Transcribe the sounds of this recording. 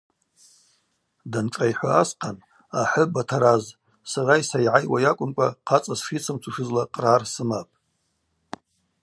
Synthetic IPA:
danʈ͡ʂʼajħʷaːsqʰan | aħʷʊbatʰaɾaz | saraisajʕajwajakʷʼʊmkʷʼaqʰat͡sʼasʂit͡sʰɨmt͡sʰuʂɨzlaqʼrarsɨmapʼ

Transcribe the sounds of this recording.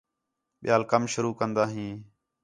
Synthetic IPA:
ɓɪjaːlkəmʃʊɾuːkənd̪aːɦĩː

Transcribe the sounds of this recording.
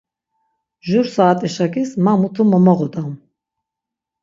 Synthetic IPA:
ʒuɾsaːt̪ʼɛʃakʼismamut̪ʰumɔmɔʁɔd̪aum

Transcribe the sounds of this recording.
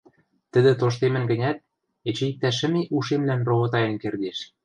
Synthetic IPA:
t̪ə̆d̪ɘ̆t̪oʃ̬t̪emɘ̆nɡə̆nʲæt̪̚ | et͡ɕĕik̚t̪æʃ̬ə̆meʔuʃemlænroβot̪ɑjɤ̆nkerd̪eʃ

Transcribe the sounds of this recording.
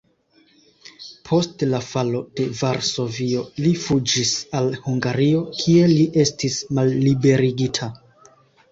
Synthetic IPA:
pʰo̞stlafalo̞d̥e̞vaɾso̞vio̞lifud͡ʒisalhuŋɡaɾio̞kʰie̞liʔe̞stismalːibe̞ɾiɡitʰa

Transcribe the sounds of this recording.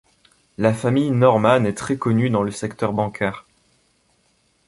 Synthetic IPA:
lafamijnɔʁmanɛt̪χɛkɔnyd̪ɑ̃ləsɛkt̪œʁbɑ̃kʰɛːʁ

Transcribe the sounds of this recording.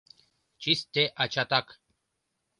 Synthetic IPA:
t͡ʃist̪eʔat͡ʃat̪ak

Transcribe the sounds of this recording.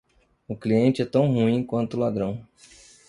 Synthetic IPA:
ʊkliẽnt͡ʃɪɛt̪ɐ̃w̃huĩkwɐ̃nt̪ʊlad̪ɾɐ̃w̃

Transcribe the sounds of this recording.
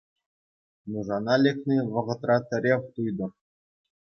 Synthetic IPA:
nuʐɑnɑlʲekʲnʲiʋɤ̆ʁɤ̆t̪rɑt̪ʲɘ̆ɾʲefʲt̪ujd̪ɤ̆r

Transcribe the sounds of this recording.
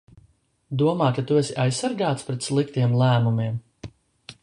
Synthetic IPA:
d̪uɔmaːkat̪uesʲiʔajsːaɾɡaːt̪spɾɛt̪slˠik̚t̪iɛmlˠæːmumiɛm

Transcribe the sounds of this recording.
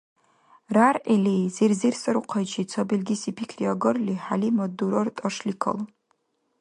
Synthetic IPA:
rarʔelejzirzirsɨɾuqʰat͡ʃʰit͡sʰobilʲɡʲisipʰikʲʰriaɡɨrliħalimaduɾortʼɐʂlikʰɐ̰l

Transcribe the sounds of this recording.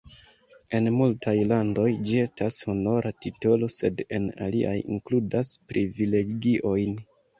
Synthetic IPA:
e̞nmultʰajlando̞jd͡ʒie̞stasho̞no̞ɾʔatito̞lo̞se̞de̞̰na̰lḭʔa̰jḭŋkludaspɾʔivile̞ɡiʔo̞jn

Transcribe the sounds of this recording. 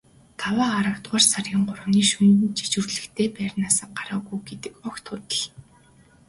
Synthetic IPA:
t̪ʰawaːɾə̆wt̪ɢaːrsarʲiːɴɢʊɾʊ̆ːniːʃunt͡ɕi̥t͡ɕŭrɮɘ̆kt̪ʰeːpæːrʲnaːsə̆ɢaɾaːɣujɡet̪ɘ̆kʊkt̪ʰʊt̪ə̆ɮ

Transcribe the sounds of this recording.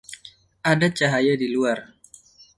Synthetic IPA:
ʔadat͡ʃaɦajadiluar

